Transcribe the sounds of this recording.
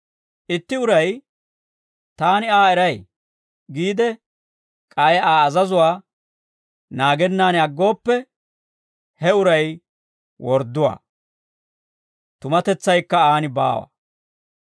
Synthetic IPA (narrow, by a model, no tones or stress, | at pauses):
ʔɪt̪ːɪʊɾɐj | t̪aːnɪaːɛɾɐj | ɡiːd̪ɛ | kʼajaːzɐzʊwaː | naːɡɛnːaːnɐɡːo̞ːpːɛ | hɛʊɾɐj | wʔɔɾd̪ːʊwa̰ː | t̪ʊmɐt̪ɛt͡sːɐjkːɐaːnɪba̰ːwa̰